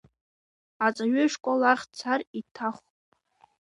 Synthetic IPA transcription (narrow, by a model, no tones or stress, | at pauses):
at͡sʼaɥʏʂkʷʼolaχʲt͡sʰaritʰaχʷʼ